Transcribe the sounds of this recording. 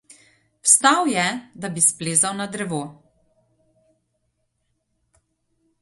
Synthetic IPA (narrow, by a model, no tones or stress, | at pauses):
wst̪awjɛd̪abispleːzawnad̪ɾɛʋoː